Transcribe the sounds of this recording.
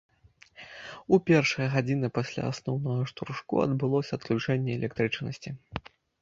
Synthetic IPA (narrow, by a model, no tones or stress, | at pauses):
upʲɛrʂɐjɐɣad͡zʲin̪ɨpasʲlʲa̰asnɔwnɐɣɐʂt̪urʂkṵɐ̰d̪bɨlˠɔsʲɐɐt̪̚klʲut͡ʂɛnʲːɛɛlʲɛk̚t̪ɾɨt͡ʂnɐsʲt͡sʲi